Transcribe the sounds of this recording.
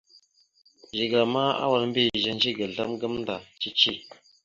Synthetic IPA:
ʒi˨ɡla˨ma˦a̰˦wa˨lm̩˦bi˦˨ʒə˦n˦d͡ʒi˦ɡə˨ɮə˦mɡə˦mn̩˦da˨t͡ʃi˦t͡ʃi˦˨

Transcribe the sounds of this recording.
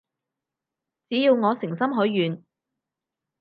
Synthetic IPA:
t͡siː˨˥jiː˧wŋɔː˨˧sɪ˨˩ŋsɐ˥mɦɵ˨˥jːyː˨n

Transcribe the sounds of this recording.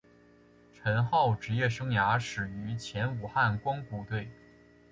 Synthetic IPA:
ʈ͡ʂʰə˧˥nxɑ˥˩ʊʈ͡ʂɻ̩˧˥jɛ˥˩ʂɤ˥ŋja˧˥ʂɻ̩˨˩y˧˥t͡ɕʰjɛ˧˥nu˨˩xa˥˩nkwɑ˥ŋpu˧t̪we˥˩ɪ

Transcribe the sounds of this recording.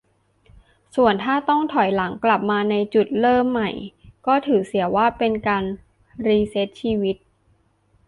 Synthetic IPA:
su˨˩ənt̪ʰaː˥˩t̪ɔ˥˩ŋt̪ʰɔ˨˩˦jla˩˦ŋkla˨˩p̚maː˧na˧jt͡ɕu˨˩t̪̚lɤː˥˩mːa˨˩jkɔː˥˩t̪ʰɯː˩˦si˩˦waː˥˩pe˧nkaː˧n | ɾiː˧se˦˥t̪̚t͡ɕʰiː˧wi˦˥t̪̚

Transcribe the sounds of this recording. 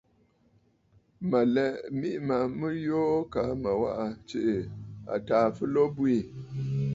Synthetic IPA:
ma˨lɛ˦mi˦ʔma˨mɨ˦jo˦ka˨ma˨wa̰˦ʔa˨t͡ʃe˨ʔa̰˨taː˨fɨ˦lo˦bu˦i˦˨

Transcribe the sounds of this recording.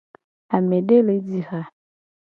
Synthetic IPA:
a˨me˨de˦le˨˦di˨ha˨

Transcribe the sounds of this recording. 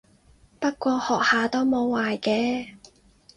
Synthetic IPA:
pɐ˥t̚kʷɔː˧hɔː˨˩k̚haː˨t̪o˥wmo˨˧wːaː˨jkɛː˧

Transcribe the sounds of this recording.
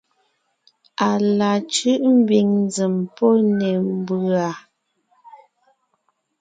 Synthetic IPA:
a˨la˨t͡ʃʉ˦ʔm̩˦bi˨ŋn˦zi˨mpɔ˦nɛ˨m̩˦bʉ˨a˨

